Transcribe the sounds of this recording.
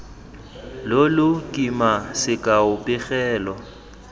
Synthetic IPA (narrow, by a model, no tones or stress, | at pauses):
lolʊkʼimasɪkʼaʊpʼɪɣɛːlɔ